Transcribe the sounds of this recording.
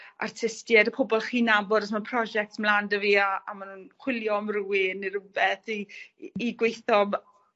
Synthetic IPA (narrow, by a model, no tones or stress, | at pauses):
a̰rtʰɪstjɛdəpʰʊbɔlˠχiːnabɔdɔsmapʰrɔd͡ʒɛk̚tmlandəviːaa̰manunχwɪljɔmruwiniɾəbɛθiː | ɡwejθɔm